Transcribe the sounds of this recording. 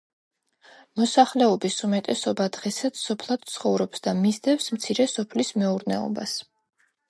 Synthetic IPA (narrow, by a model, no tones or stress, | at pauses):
mɔsaχlɛɔbisumɛt̪ʼɛsɔbad̪ʁɛsat̪ssɔpʰlˠad̪̥̚t̪sʰχɔvɾɔpsd̪amizd̪ɛfsmt̪sʰiɾɛsɔpʰlismɛuɾnɛ̰ɔ̰ba̰s